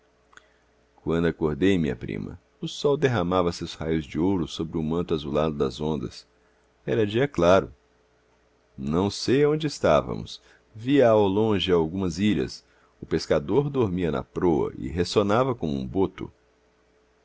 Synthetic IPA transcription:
kwɐ̃nd̪ʊakoɾd̪ejmĩɲɐ̰pɾḭ̃mɐ̰ | ʊsɔwd̪eɦamavɐsewshajʊzd͡ʒɪowɾʊsobɾɪʊmɐ̃nt̪ʊazulad̪ʊd̪ɐ̰zõnd̪ɐ̰s | ɛɾɐd͡ʒiɐklaɾʊ̰ | nɐ̃w̃sejɐõd͡ʒɪːst̪avɐ̰̃mʊ̰s | viɐawlõʒɪawɡũmɐziʎɐ̰s | ʊpeskad̪oɾd̪oɾmiɐnɐ̰pɾoɐ̰ʔɪ̰ɦesonavɐkõmʊuṵ̃bot̪ʊ̰

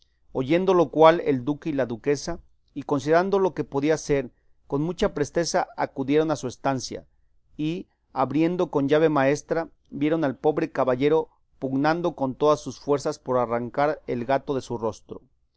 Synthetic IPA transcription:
o̞ʝe̞nd̪o̞lo̞kwalḛld̪ukeilaðuke̞sa | iko̞ns̬iðeɾand̪o̞lo̞ke̞po̞ðiase̞ɾ | ko̞nmut͡ʃapɾe̞st̪e̞saakuðje̞ɾo̞nasue̞st̪ansja̰ | i | aβɾje̞nd̪o̞ko̞nʝaβ̞emae̞st̪ɾa | bje̞ɾo̞nalpo̞βɾe̞kaβaʝe̞ɾo̞ | puɣnand̪o̞ko̞nt̪o̞ðasːusfwe̞ɾsaspo̞ɾaraŋkaɾḛlɣat̪o̞ðe̞suro̞st̪ɾo

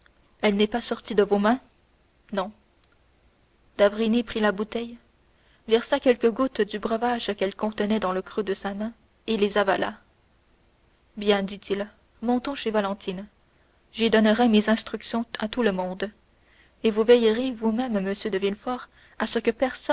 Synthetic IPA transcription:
ɛlnɛpasɔʁt̪id̪əvomɛ̃ | nɔ̃ | d̪avʁinipχilabut̪ɛj | vɛʁsakʲɛlkəɡut̪d̪ybʁəvaʒkʲɛlkɔ̃t̪ənɛd̪ɑ̃ləkχød̪əsamɛ̃ | elezavala̰ | bjɛ̃d̪it̪il | mɔ̃t̪ɔ̃ʃevalɑ̃t̪in | ʒid̪ɔnəʁɛmezɛ̃st̪χyksjɔ̃at̪uləmɔ̃d̪ | evuvɛjʁevumɛmːəsjød̪əvilfɔʁ | asəkəpɛʁs

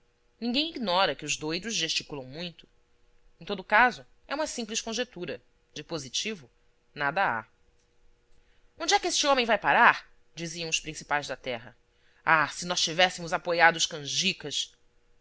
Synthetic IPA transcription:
nĩɡẽj̃iɡnɔɾɐkɪʊzd̪ojd̪ʊzʒeʃt͡ʃikulɐ̃w̃mũj̃t̪ʊ̥ | ẽt̪od̪ʊkazʊ | ɛũmɐsĩpliʃkõʒet̪uɾɐ | d͡ʒɪpozit͡ʃivʊ | nad̪ɐa̰ | õd͡ʒɪɛkest͡ʃɪõmẽj̃vajpaɾaɾ | d͡ʒiziɐ̃w̃ʊspɾĩsi̥pajzd̪ɐt̪ɛɦɐ̰ | asɪnɔʃt͡ʃivɛsɪmʊzapojad̪ʊʃkɐ̃ʒikɐs

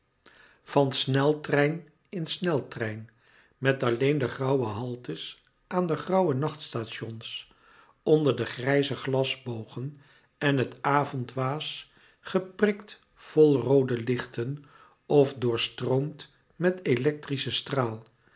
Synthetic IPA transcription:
v̥ɑnsnɛlˠtrɛjn | ɪnsnɛlˠtrɛjn | mɛtɑlejndəχrɑwəɦɑlˠtəs | ʔaːndəχrɑwənɑχtstaʃɔns | ɔndəɹdəχrɛjzəχlɑzbowχən | ɛnɦətaːvɔntʋaːs | χəprɪkt | v̥ɔlˠrowdəlɪχtən | ɔfdʊːɹstroʊmt | mɛtelɛk̚trisəstraːlˠ

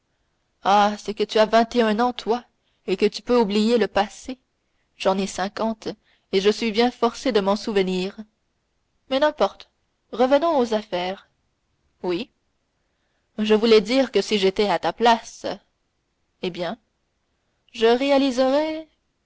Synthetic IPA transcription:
asɛkət̪yavɛ̃t̪eœ̃nɑ̃t̪wa | ekət̪y̥pøublijeləpase | ʒ̥ɑ̃nɛsɛ̃kɑ̃t̪ | eʒəsɥibjɛ̃fɔʁsed̪əmɑ̃suvəniːʁ | mɛnɛ̃pɔʁt̪ | ʁəvənɔ̃ozafɛːʁ | wi | ʒəvulɛd̪iːʁkəsiʒet̪ɛat̪aplas | ebjɛ̃ | ʒəʁealizəʁɛ

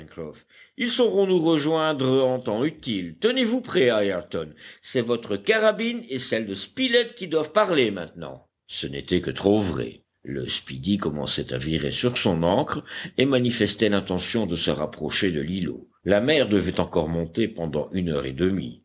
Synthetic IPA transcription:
ɛ̃kχɔf | ilsəʁɔ̃nuʁəʒwɛ̃d̪ʁəɑ̃t̪ɑ̃yt̪ilt̪ənevupχɛaɛʁt̪ɔnsɛvɔt̪χəkaʁabinesɛld̪əspilɛt̪̚kʲid̪wavpaʁlemɛ̃t̪nɑ̰̃ | sənet̪ɛkət̪χovʁɛ̰ | lə̰spid̪ikɔmɑ̰̃sɛt̪a̰viʁḛsyʁsɔ̃nɑ̃kχemanifɛst̪ɛlɛ̃t̪ɑ̃sjɔ̃d̪əsə̰ʁapχɔʃed̪əlilo̰ | lamɛʁd̪əvɛt̪ɑ̃kɔʁmɔ̃t̪epɑ̃d̪ɑ̰̃ʔynœ̰ʁḛd̪əmḭ

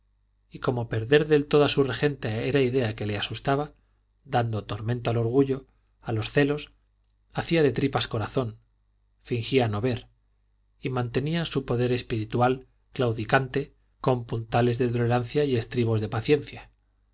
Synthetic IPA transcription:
iko̞mo̞pe̞ɾðe̞ɾðe̞lt̪o̞ðasure̞xe̞nt̪ae̞ɾaiðe̞ake̞leasust̪aβa | d̪and̪o̞t̪o̞ɾmẽnt̪oalo̞ɾɣ̞uʝo̞ | alo̞sθe̞lo̞s | aθiaðe̞t̪ɾipasko̞ɾaθo̞n | fiŋxiano̞βe̞ɾ | imãnt̪e̞niasupo̞ðe̞ɾe̞spiɾit̪wal | klawðikant̪e̞ | ko̞mpunt̪ale̞zðet̪ole̞ɾanθjaie̞st̪ɾiβ̞o̞zðepaθje̞nθja

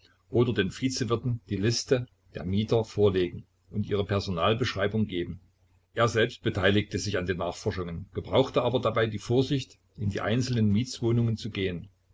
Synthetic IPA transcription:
ʔoːdɐdeːnfiːt͡səvɪɐtn̩d̥iːlɪstə | d̥ḛːɐmiːtɐfoːɐleːɡŋ̩ | ʔʊntʔiːʁ̞əpʰɛɐzonaːlbəʃʁ̥aɪbʊŋɡeːbm̩ | ʔeːɐzɛlpst̚b̥ətʰaɪlɪk̚təzɪçandeːnːaːχfɔɐʃʊŋənɡ̥əbʁaʊxtəʔaːbɐdabaɪdiːfoːɐzɪçt | ʔɪndiːʔa̰ɪnt͡sl̩nənmiːtt͡sv̥oːnʊŋənt͡suɡeːən

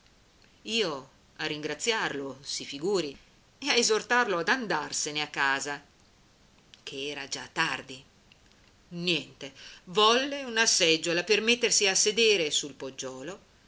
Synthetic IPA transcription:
iːo | arːiŋɡɾat̪sːjarlosifiɡuːɾi | eaezort̪arload̪and̪arseneakːaːza | kʰeɛːɾad͡ʒat̪ːard̪i | njɛnt̪evɔlːeunasɛd͡ʒːolapermet̪ːersiased̪eːɾesulpod͡ʒːɔːlo

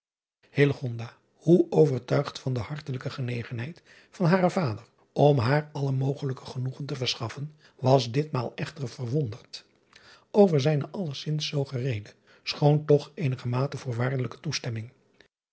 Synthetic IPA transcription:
hɪləχɔndaː | huʔowvəɹtœɥχtfɑndəhɑɹtələkəχənejχənɦɛjt | fɑnɦaːɾəvaːdər | ɔmɦaːɹɑləmowχələkəχənuχəntəvəɹsχɑfən | ʋɑzdɪtmaːlˠɛχtərv̥ərʋɔndərt | ʔowvəɹzɛjnəʔɑləɹsɪnsːowχərejdə | sχowntɔχejnəχəmaːtəvʊːɹʋaːɹdələkə̥tustɛmɪŋ

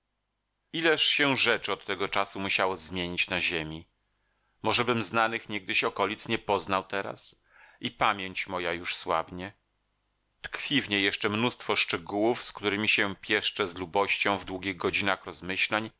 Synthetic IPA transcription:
ilɛʂɕɛʐɛt͡ʂɘɔt̪ːɛɡɔt͡ʂasumuɕawɔzmʲjeɲit͡ɕnaʑemʲi | mɔʐɛbɘmznanɘxɲɛɡ̚d̪ɘɕɔkɔlʲit̪sɲɛpɔznawt̪ɛɾa̰s | ʔipamʲjeɲt͡ɕmɔjajuʂswa̰bɲɛ | t̪kfʲivɲejɛʂt͡ʂɛmnust̪fɔʂt͡ʂɛɡuwufskt̪uɾɘmʲiɕɛpʲjɛʂt͡ʂɛzlubɔɕt͡ɕɔ̃w̃vd̪wuɡʲiɣɡɔd͡ʑinaxɾɔzmɘɕlaɲ

